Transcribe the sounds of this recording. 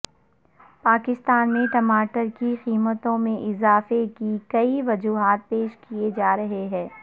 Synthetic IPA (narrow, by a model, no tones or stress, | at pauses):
paːkɪst̪aːnmẽʈɐmaːʈəɾkixiːmət̪õmẽʔɪzaːfekikɐiʋɐd͡ʒuːɦaːt̪̚peːʃkijed͡ʒaːɾɐɦeɦɛ̃ː